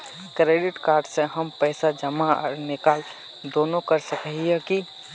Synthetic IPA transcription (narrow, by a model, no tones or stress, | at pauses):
kɾeɖɪʈkaːɾɖsẽɦəmpɛːsad͡ʒəmaɔ̰ɾnɪkaːl | d̪oːnokəɾsəkəɦiɛki